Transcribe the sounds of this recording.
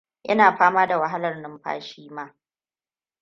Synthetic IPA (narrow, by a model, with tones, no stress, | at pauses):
ʔɐ̰˦naː˨ɸaː˦maː˦da˨wɐ˨ɦa˦lɐ˨rnɪ˦mɸa̰ː˦ʃiː˦maː˦